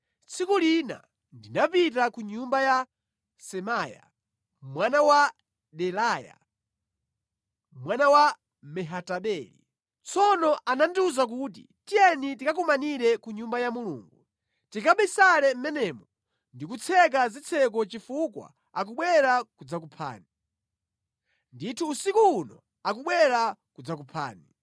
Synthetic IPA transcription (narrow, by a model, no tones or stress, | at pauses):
t͡sʰikulina̰ | ndinapit̬akuɲumbaja | sɛmaja̰ | mwanawa | ɗɛlaːja̰ | mwanawa | mɛɦataɓɛɾḭ | t͡sʰɔnɔʔananduzak̬uːt̬ḭ | tijɛnitikak̬umaniɾɛkuɲumbajamulṵːŋɡu | tikaɓɛsalɛm̩mɛnɛːmɔ | ndikut͡sʰɛk̬azit͡sʰɛk̬ɔt͡ʃifukwa̰ | ak̬uɓwɛɾakud͡zak̬upʰa̰ːni | nditʰuːsikuːnɔ̰ | ak̬uɓwɛɾakud͡zak̬upʰa̰ːni